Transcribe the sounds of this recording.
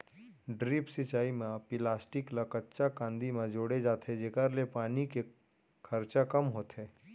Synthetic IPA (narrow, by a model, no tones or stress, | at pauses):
ɖɾiːpsɪt͡ʃaːimẽpɪlaːsʈɪkləkətːʃakãːnd̪imẽd͡ʒoːɽed͡ʒaːt̪ed͡ʒeːkəɾlepaːnike | kʰɐɾt͡ʃakɐmɦoːt̪ɦɛː